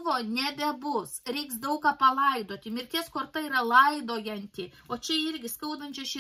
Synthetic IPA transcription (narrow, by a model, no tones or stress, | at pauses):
ʋoːnʲɛbʲɛbʊsɾʲɛɪksd̪ɐʊkɑːpɐlˠɐɪd̪oːt̪ʲɪmʲɪɾʲkʲiɛskoːrt̪ɐiːrɐlˠɐɪd̪oːjɛnʲt̪ʲɪ | oːt͡ʃʲɛɪɾʲɡʲɪskɐʊd̪ɐnʲt͡ʃʲoʃʲɪ